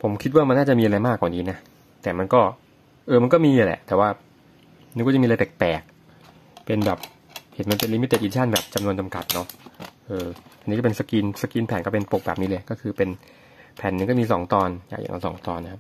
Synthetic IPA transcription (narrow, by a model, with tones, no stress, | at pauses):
pʰo˩˦mkʰi˦˥waː˥˩ma˧nːaː˥˩t͡ɕa˨˩mi˧ʔɾa˧jmaː˥˩k̚waː˨˩niː˦˥na˦˥ʔ | t̪ɛː˨˩ma˧nkɔː˥˩ | ʔɤː˧ma˧nkɔː˥˩miː˧a˧˩lɛ̰˨˩ʔt̪ɛː˨˩waː˥˩ | niː˧˦˩kɔ˥˩t͡ɕmiː˧a˧t̪e˨˩k̚pɛː˨˩k̚ | pe˧nbɛː˨˩p̚ | he˨˩˦nma˧npe˧nli˧˦mi˦˥t̪ːe˨˩ʔːt͡ɕʰaː˥˩nbɛː˨˩p̚t͡ɕa˧mnu˧nt͡ɕa˧mka˨˩t̪̚nɔ˦˥ʔɤː˧ʔa˧niː˦˥kːpe˧nsa˧kiː˧nsa˧kiː˧npʰɛː˨˦nkɔ˥˩pe˧npo˨˩k̚bɛː˨˩p̚niː˦˥lɤː˧jkɔː˥˩kʰɯː˧pe˧n | pʰɛː˩˦nːɯ˧ŋkɔ˥˩miː˧s̬ɔ̰ː˩˦ŋt̪ɔː˧nja̰˨˩kja̰˨˩ŋa̰˧˩sɔ̰ː˩˦ŋt̪ɔː˧nː˧˥kʰa˦˥p̚